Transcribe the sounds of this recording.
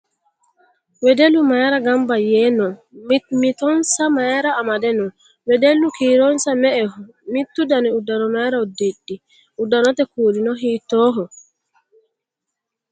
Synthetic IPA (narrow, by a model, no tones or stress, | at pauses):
wɛdelumajɛɾaɡambajɛnɔmit̪ɔnsamajɛɾaːmadɛnɔ | wɛdelːukiɾɔnsamɛʔɛɦɔ | mit̪ːudaniudaɾɔmaɛɾaɔdedːi | udanɔt̪ɛkoɾinɔɦitɔːɦɔ